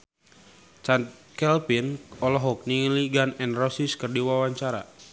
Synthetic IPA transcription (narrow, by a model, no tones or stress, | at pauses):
t͡ʃankɛlpinɔlɔɦɔk̚niŋliɡanɛnrɔsiskərdiwawaɲt͡ʃaɾa̰